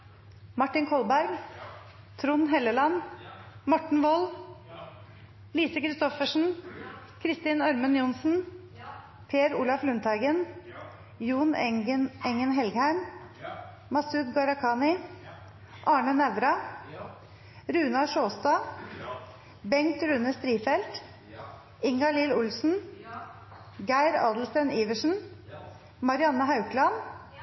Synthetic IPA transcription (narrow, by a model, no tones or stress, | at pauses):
mɑʈːɪnkʰɔlbæɾɡ | t̪ʰɾʊnɦɛləlɑnmɔʈɳ̩ʋɔl | liːsəkʰɾɪst̪ɔfəʂɳ̩ | kʰɾɪst̪ɪnœɾmənjʊnsn̩ | pʰeːɾuːlɑflʉnt̪ʰɑɪɡən | juːnənɛŋənɦɛlɡhæɪm | mɑsʉːɡ̪ɡɑɾɑkʰɑːnɪ | ʔɑːɳənɛʋɾɑ | ɾʉːnɑʂoːst̪ɑː | bɛŋt̪ɾʉnəst̪ɾiːfɛlt̪ | ɪŋɡɑliːlʊlsn̩ | ɡæɪɾɑ̰ːd̪l̩st̪ɛniːʋəʂn̩ | mɑɾɪɑnːəhɑʉklɑn